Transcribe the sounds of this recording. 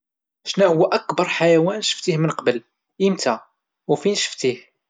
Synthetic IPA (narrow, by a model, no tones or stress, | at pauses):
ʃnæhʊwːæʔækbɑɾˤħajæwænʃə̥ft̪ihmənqɑbəl | imt̪æ | wfinʃə̥ft̪ih